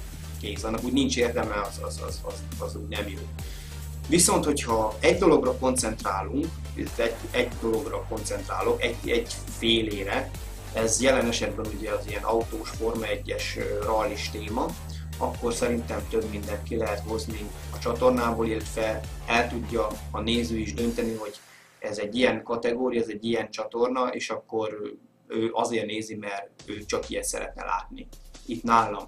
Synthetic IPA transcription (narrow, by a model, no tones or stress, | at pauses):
keːsɒnːɒkuːɟnint͡ʃeːrd̪ɛmɛɒzɒ̰zɒ̰zɒ̰z | ɒzuːɟnɛmjoː | ʋiso̞nt̪ho̞chɒɛɟd̪o̞lo̞ɡrɒko̞nt̪sɛnt̪raːluŋk | it̪ɛɟ | ɛɟd̪o̞lo̞ɡrɒko̞nt̪sɛnt̪raːlo̞kɛɟɛɟ | feːleːɾɛ | ɛzjɛlɛnɛʃɛd̪bɛnuɟɛɒzijɛnʔɒut̪oːʃfo̞rmɒɛɟːɛʃrɒliʃt̪eːmɒ | ɒkːo̞rsɛɾint̪ɛmt̪øbmind̪ɛnt̪kilɛɦɛt̪ho̞zniɒt͡ʃɒt̪o̞rnaːboːliːlt̪fɛlɛlt̪uɟːɒɒneːzyːiʒd̪ø̞nt̪ɛniɦo̞ɟ | ɛzɛɟːijɛŋkɒt̪ɛɡoːɾijɒɛzɛɟːijɛnt͡ʃɒt̪o̞rnɒʔḛːʃɒkːo̞ɾ | øːʔɒzeːrneːzimɛrøːt͡ʃɒkijɛt̪sɛ̰ɾɛ̰t̪nɛ̰lʔa̰ːt̪niit̪naːlom